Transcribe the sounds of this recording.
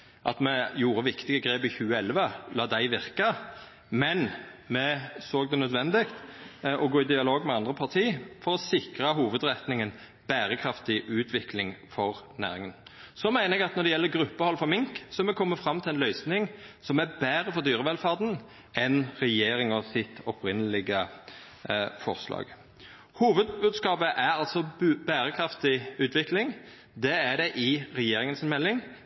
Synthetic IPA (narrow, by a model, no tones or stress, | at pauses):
ʔɑ̰t̪mɛjuːɾəʋɪkt̪ɪɡəɡɾeːbɪçʉːəɛlʋəlɑːd̪æɪʋɪʁkə | mɛnmɛsoːɡ̚d̪ɛnœd̪ʋɛnd̪ɪkt̪ʔɔɡoːɪd̪ɪɑloːɡmɛɑnd̪ɾəpʰɑʁt̪ʰiːfɔɾɔsɪkɾəɦuːʋəd̪ɾɛt̪nɪŋən | b̥æːɾəkʰɾɑft̪ɪʔʉːt̪ʰʋɪklɪŋfɔʁnæ̰ːɾɪŋənsɔmæɪnəɛɡɑt̪nɔɾd̪ɛjɛlːəɡɾʉpːəhɔlfɔɾmɪŋksɔmɛkʰɔmːəfɾɑmːt̪ʰɪlɛnlœʏsnɪŋsɔmæbæːɾəfɔɾd̪yːɾəʋɛlfɑːɾd̪n̩ | ɛnɾɛjeːɾɪŋɔsɪt̪ʰɔpʰɾɪnːəlɪɡə | fɔʁslɑ̰ːɡ̥ | huːʋəd̪bʉːd̪skɑːpəʔæɾɑlt̪sɔbæːɾəkʰɾɑft̪ɪʉːt̪ʰʋɪklɪŋ | d̪ɛæd̪ɛʔɪɾɛjeːɾɪŋənsɪnmɛlːɪŋ